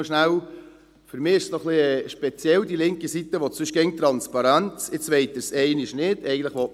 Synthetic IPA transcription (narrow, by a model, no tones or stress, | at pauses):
ʃnæw | føɾmɪːɪʃsnɔχliɛʃpɛt͡sjɛldilɪŋkəsit̪əʋot͡sʏʃɡ̥ɛŋt̪ɾɑnspɑɾænt͡sɪt͡sʋɛɪtəsɛɪnɪʃnɪd̥ɛɪɡət̪lɪχʋo